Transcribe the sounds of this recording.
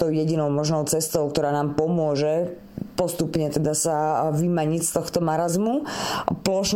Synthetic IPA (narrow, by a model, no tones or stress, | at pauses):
t̪ɔʊjɛɟinɔʊmɔʒnɔʊt͡sɛst̪ɔʊk̚t̪ɔɾaːnaːmpɔmʊɔʒɛ | pɔst̪upɲɛt̪ɛd̪asaʋimaɲicst̪ɔxt̪ɔmaɾazmuplɔʃn